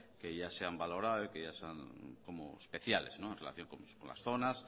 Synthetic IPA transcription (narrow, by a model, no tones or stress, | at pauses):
keʝaseambalo̞ɾaðoikeʝaseaŋkomo̰ḛspe̞θjalḛznoenrela̰θjo̞ŋkomkõnla̰sθo̞nas